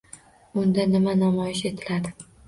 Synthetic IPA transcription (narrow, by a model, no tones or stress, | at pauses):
ʊnd̪anɪmanamɒjɪʃe̞t̪ʰɪlad̪ɪ